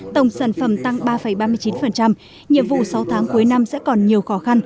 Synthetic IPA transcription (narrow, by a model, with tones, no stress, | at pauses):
t̪ə˧˩wŋ͡msaː˧˩nfə˧˩mt̪a˧ŋɓaː˧fə˧˩jɓaː˧mɨ˧əjt͡ɕi˨˦nfə˨˩nt͡ɕa˧m | ɲḭ˧˨əmvṵ˧˨sa˨˦wt̪ʰaː˨˦ŋku˨˦jna˧msɛ̰˧˥kɔ˨˩nɲi˨˩əwxɔ˨˦xa˧n